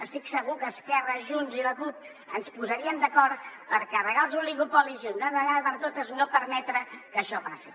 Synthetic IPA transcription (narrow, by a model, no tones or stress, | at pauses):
əst̪iksəɣukəːskɛrəʒunziləkup̚ | ənspuzəɾiəmd̪əkɔɾt̪pəɾkɛrəɣalˠzuliɣupɔlizundəðəɣaðβənt̪ot̪əznopəɾmɛt̪ɾəkəʃɔpasi